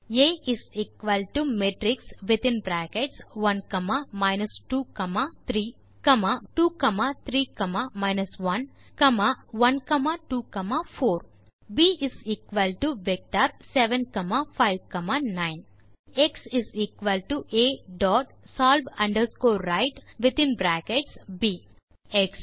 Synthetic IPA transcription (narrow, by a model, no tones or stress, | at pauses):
eːiziːkʋɐlʈumeːʈɾiksʋit̪ĩnbɾaːkeʈsʋɐnkɐmaːmaɪnɐsʈuːkɐmaːt̪ʰɾiː | kɐmaːʈuːkɐmaːt̪ʰɾiːkɐmaːmaɪnɐsʋɐn | kɐmaːʋɐnkɐmaːʈuːkɐmaːfoːɾ | biːiziːkʋɐlʈuʋek̚ʈaːɾseʋẽnkɐmaːfaɪʋkɐmaːnaɪn | eksiziːkʋɐlʈuʔeːɖɔːʈ | saːlʋɐ̃ɳɖəɾskoːɾaɪʈʋɪt̪ĩnbɾæːkeʈsbiː | eks